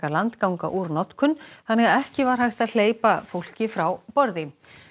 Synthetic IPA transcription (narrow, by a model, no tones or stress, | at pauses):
alant̪kawŋka̰ʔuɾnɔt̪kʰʏnθanːɛɣaɛhcɪvaɾ̥ɦajxt̪aðl̥eːjpafowl̥cɪfɾawpɔɾðɪ